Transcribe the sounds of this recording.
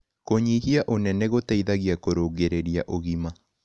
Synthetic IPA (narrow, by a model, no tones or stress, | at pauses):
koɲihiaʔonɛnɛɣotaiðaɣiakoɾoɣeɾeɾiaʔoɣima